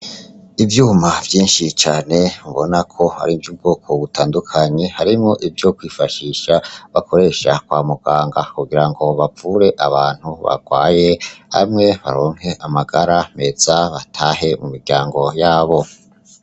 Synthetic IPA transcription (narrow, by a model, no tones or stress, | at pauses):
ivjuːmavjiːnʃit͡ʃaːne̞muβo̞nakʰo̞ha̰ɾivjub̚ɡokʰo̞βutʰaːndukʰaɲe̞haɾimŋo̞ʔivjo̞kwiːfaʃiːʃaβakʰo̞ɾe̞ʃakwaːmuɡ̥aːŋɡakuɡiɾaŋɡo̞βafuɾe̞ʔaβaːn̥huβa̰ɡ̥wa̰ːje̞ha̰mŋe̞βa̰ɾo̞ːŋ̥he̞ʔamaɡaɾame̞z̥aβatʰaːɦe̞mumiɾɟaːŋɡo̞jaːβo̞